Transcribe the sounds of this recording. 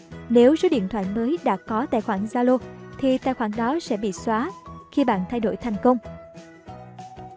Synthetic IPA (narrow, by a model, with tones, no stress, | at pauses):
ne˨˦wzo˨˦ɗḭ˧˨ənt̪ʰwa̰ː˧˨jməː˨˦jɗa̰ː˧˥kɔ˨˦t̪a̰ː˧˨jxwaː˧˩ŋzaː˧lo˧t̪ʰi˨˩t̪a̰ː˧˨jxwaː˧˩ŋɗɔ˨˦sɛ̰˧˥ɓḭ˧˨swaː˨˦xi˧ɓa̰ː˧˨nt̪ʰa˧jɗo̰˧˩jt̪ʰa˨˩jŋ̟kə˧wŋ͡m